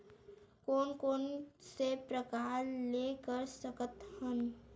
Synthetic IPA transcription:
koːnkoːnsepɾəkaːɾlekəɾsəkət̪hən

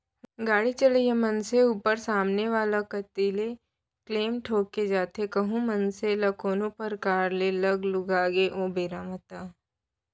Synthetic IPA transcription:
ɡaːɽit͡ʃəlijemɐnseuːpəɾsaːmneʋaːlakɐt̪iːle | kleːmʈʰoːkːed͡ʒaːt̪ekɐɦũmɐnselɐkʰoːnõpɐɾkaːɾlelɐɡlʊɡaːɡeʔõːbeːɾaːmət̪aː

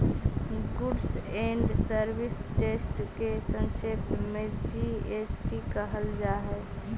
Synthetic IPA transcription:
ɡuɖseɳɖsəɾbisʈesʈkesənsepmed͡ʒiesʈikəɦəld͡ʒaɦɛ

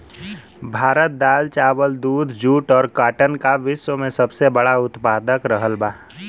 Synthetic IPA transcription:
bʱaːɾət̪̚d̪aːlt͡ʃaːwəld̪uːd̪ʱd͡ʒuːʈɔːɾkaːʈənkaʋɪʃwəmẽsəbsebəɽaʊt̪paːd̪əkɾəɦəlbaː

